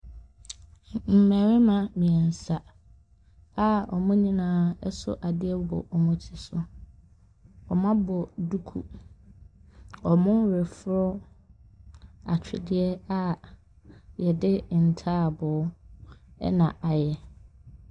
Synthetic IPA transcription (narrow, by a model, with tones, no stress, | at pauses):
m̩˨mɛ˨ɾɪ˦mã˨mĩ˨ɛ˨n̩˨sa˨ | a˦ɔ˨mʊ̃˦ɲĩ˦nãː˨˦ɛ˦sʊ̰˦ʔa˨dɪ˦ɛ˦bɔ̰˨ʔɔ˨mʊ̃˦tʰi˨sʊ˦ | ɔ˨mã˦bɔ˨du˦kʰṵ˨ | ɔ˨mʊ̃˦ɾɛ˨fɾɔ˦ | a˨t͡ɕᶣɪ˨dɪ˦ɛ˦a˦ | jɛ˨dɪ˦˨n̩˨tʰaː˦˨bɔ˨˦ | ɛ̰˦nã˨ʔa˨jɛ˨